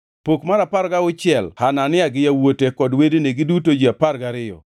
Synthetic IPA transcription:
pokmaɾapaɾɡaʊt͡ʃɪɛlhananɪaɡɪjawotekɔdwedeneɡɪdutod͡ʒiaparɡaɾɪjɔ̰

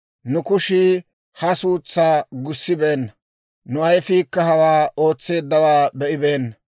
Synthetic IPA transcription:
nʊkʊʃɪ | hɐsuːt͡sːaːɡʊsːɪbeːnːɐ | nʊʔɐjfiːkːɐɦɐwaːo̞ːt͡sːe̞ːd̪ːɐwaːbɛʔɪbeːnːɐ

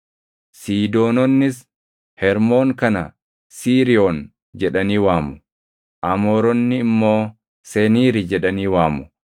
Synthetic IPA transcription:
siːd̪o̞ːnɔnːɪs | hɛɾmo̞ːŋkɐnɐ̰ | siːɾɪoːn | d͡ʒɛᶑɐniːwaːmʊ̥ | ʔɐmoːɾɔnːɪːmːo̞ː | sɛniːɾɪd͡ʒɛᶑɐniːwaːmʊ̥

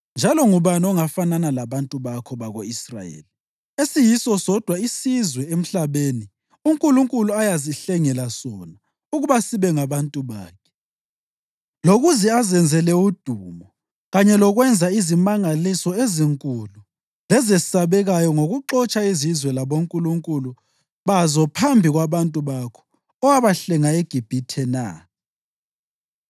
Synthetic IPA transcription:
nd͡ʒʱalɔŋuβanɔŋafananalaβantʼuβakʰɔβaɣoisra̰jḛːli | esijisɔsɔd̥ʱwaisizwɛem̩ɬaβeːni | uŋkʼuluŋkʼuluajaziɬɛŋɛlasɔna | uɣuβasiβɛŋaβantʼuβa̰ːkʰɛ̥ | loɣuziazɛnd͡zʱɛlɛud̥ʱuːmɔ | ɣaɲɛlɔɣwɛnd͡zʱaizimaŋalisɔeziŋkʼulu | lɛzɛsaβɛɣajɔŋoɣuǁɔt͡ʃʼaizizwɛlaβoŋkʼuluŋkʼulu | βazɔpʰambʱiɣwaβantʼuβakʰɔ̥ | ɔwaβaɬɛŋaeɡ̥ʱib̥ʱitʰɛna̰ː

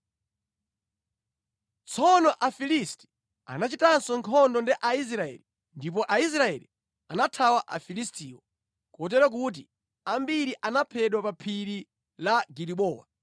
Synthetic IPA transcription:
t͡sʰɔnɔʔafilisti̥ | a̰nat͡ʃitansɔŋkʰɔndɔndiʔais̬ɾaɛ̰li | ndip̬ɔʔais̬ɾaɛli | anatʰawaʔa̰filistiːwɔ | kuɔt̬ɛɾak̬ut̬i | ambiɾiʔanapʰɛɗwapapʰiɾi | laɡiɾiɓɔːwa̰

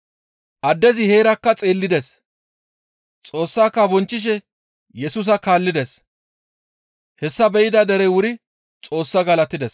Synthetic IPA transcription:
ʔɐd̪ːɛzɪhe̞ːɾɐkːɐt͡sʼe̞ːlːɪd̪ɛs | t͡sʼo̞ːsːaːkːɐbɔnt͡ʃːɪʃ̬ɛ | jɛsʊs̬ɐkaːlːɪd̪ɛs | hɛsːɐbɛʔɪd̪ɐd̪ɛɾɛwʊɾɪ | t͡sʼo̞ːsːɐɡɐlɐt̪ːɪd̪ɛs

